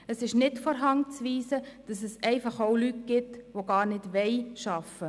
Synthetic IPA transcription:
əsɪʃnɪtfɔɾɦɑŋt͡sʋiːsəd̥ɑsəsɛɪfɑχoʊlytɡ̥ɪtʋoɡɑːɾnɪdʋɛɪʃɑfə

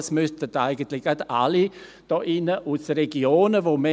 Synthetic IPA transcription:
smʏstətaɪɡən̩tlɪçɡ̥ada̰li | d̥ɔːʔɪnəʔusəɾɛɡioːnəvomɛ

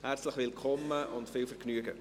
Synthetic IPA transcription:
hært͡sləχʋɪlkʰɔmːəʊntfɪːwfəɾknyːəɡə̰

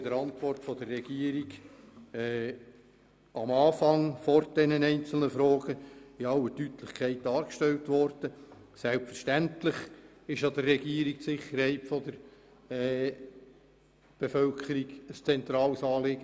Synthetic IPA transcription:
d̥əɾɑntʋɔrtfɔd̥ərːɛɡiːəɾiɡ | ɛː | ɑmɑːfɑŋfɔrd̥ɛnənɛɪnt͡sl̩nəfɾoːɡ̥əɪɑlːətytlɪχkʰɛɪt̚dɑːɾkʃtɛltʋɔrd̥ə | sɛlpfəɾʃtæntlɪχ | ɪʃɑd̪ərːɛɡiːəɾik̚tsɪχːəɾhɛɪtfɔd̪əɾ | ɛ | b̥efœlkʰəɾiɡəst͡sɛnt̪ɾɑːlsɑːlɪːɡ̥ə

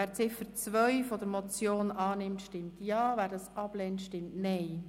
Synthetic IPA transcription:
æːɾt͡sɪfəɾt͡sʋœɥfɔd̪əɾmɔt͡sjoːnɑːnɪmtʃtɪmtjɑːvæːɾdɑsɑb̥lɛntʃtɪmtnɛɪ

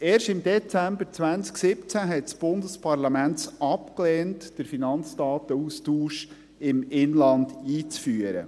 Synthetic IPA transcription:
eːrʃɪmd̥̪ɛt͡sæmbəɾt͡sʋænt͡sksɪpt͡sæɦɛtsb̥ʊndəspʰɑɾlɑmænɑpklɛːntd̥əɾfinɑnt͡sdɑːt̪əustuːʃ | ɪmɪnlɑnd̪iːt͡sfyːəɾə̰

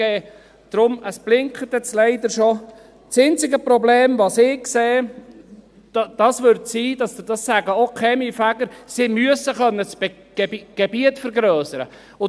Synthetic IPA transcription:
ɛː | d̥ɾʊməsb̥lɪŋkʰət̪ɛt͡slɛɪd̪əɾʃo | t͡sɪnt͡sɪɡəpɾɔbleːmʋɑsɪkkseː | d̥ɑsʋʏɾtsiːd̥ɑsd̥ɑsːæɡəokʰɛmifæɡəɾsɪmyəsəχœnːət͡sb̥ | ɡ̥ɡ̥ebiətfəɾɡɾœːsəɾə̰ | ʊ

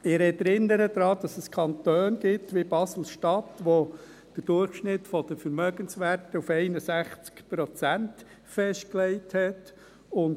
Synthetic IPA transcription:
ɪɛɾɛtɛɾɪnːəɾəd̪̥ɾɑːd̥ɑsəskʰɑnt̪øːnɡɪtʋibɑsl̩ʃtɑtʋo | d̪̥əɾd̥ʊrχʃnɪtfɔd̥̪əfəɾmœɡənsʋæɾtəufɛɪnəsæχt͡skpɾɔt͡sænt | fɛʃt̚klɛɪthɛt | ʊn

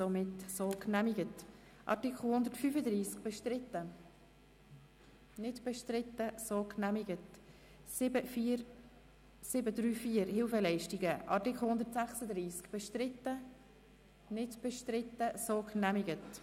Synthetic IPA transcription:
somɪtsoːknæmiɡət | ʔɑ̰tɪkʰl̩ˠhʊndəɾtfyːfədɾiːskb̥ɛʃtɾɪtə | nɪdb̥ɛʃtɾɪtːəsoːknæmiɡət | sɪəf | sɪbədɾyːfiːəɾhɪlfɛlɛɪʃtɪɡəʔɑtɪkχl̩ˠhʊnd̪əɾtsæχsəd̪riːskb̥ɛʃtɾɪtːə | nɪdb̥ɛʃtɾɪtːəsoknæmɪɡət

